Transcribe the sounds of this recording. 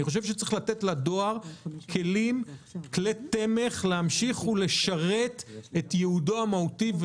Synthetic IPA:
iχo̞ʃ̬evʃet͡sʁiχlat̪etladoaʁkʰe̞limklete̞me̞χleamʃiχule̞ʃaʁetetjeudoamahutiv

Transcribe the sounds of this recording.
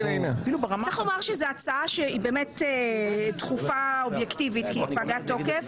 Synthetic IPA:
enefilubeʁamalaχomaʁʃezeat͡saaʃeibeːmetetχufaobjektivit̪kipaɡatːokef

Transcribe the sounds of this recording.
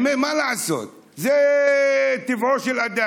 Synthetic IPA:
memalaaso̰t̪̚ | ze | t̪ivoʃelad̪a

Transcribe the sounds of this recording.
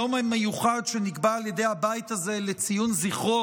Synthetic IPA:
omemːejuχadʃeniɡbaalje̞de̞jhabait̪aze̞let͡sijunziχo

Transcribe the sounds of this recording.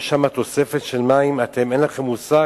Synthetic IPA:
ʃamat̪o̞se̞fet̪ʃelmaimat̪e̞me̞nlaχe̞mːusa

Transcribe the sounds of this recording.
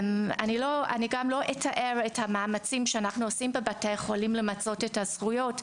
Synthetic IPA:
ma̰niloa̰niɡamlo̞ʔetʰaʔeʁethamaːmat͡simʃeanaχnuosimbebatejχolimlemat͡so̞tethaz̥χujo̞t

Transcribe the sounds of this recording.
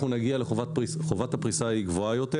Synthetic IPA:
unaɡialeχovat̪̚pisχovat̪hapʁisaiɡvoajo̞t̪e

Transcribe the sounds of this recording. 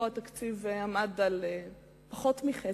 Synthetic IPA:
at̪aktiveamadale | paχotmiχe

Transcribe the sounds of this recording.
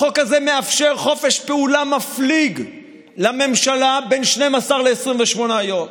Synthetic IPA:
χo̞kazeme̞afʃe̞ʁχo̞fe̞ʃpeulamafliɡ | lame̞mʃalabe̞nʃne̞jmasaʁle̞ːsʁimveʃmo̞najo̞m

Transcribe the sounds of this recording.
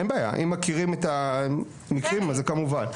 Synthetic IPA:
enbaːja̰ʔḭmːakiʁimet̪a | nikʁimazekemuvan

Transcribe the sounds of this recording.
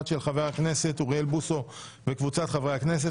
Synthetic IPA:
tʃelχaveakne̞se̞t̪uʁielbuso̞ | vekvut͡sat̪χavʁehakne̞s̬e

